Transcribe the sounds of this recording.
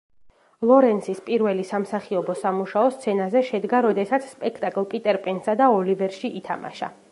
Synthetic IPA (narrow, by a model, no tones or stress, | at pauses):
lˠɔɾɛnsispʼiɾvɛlisamsaχiɔbɔsamuʃaɔst̪sʰɛnazɛʃɛd̪ɡaɾɔd̪ɛsat̪sʰspʼɛkʰt̪ʼakʼlˠpʼit̪ʼɛɾpʼɛnsad̪aɔlivɛɾʃiʔit̪ʰa̰ma̰ʃa̰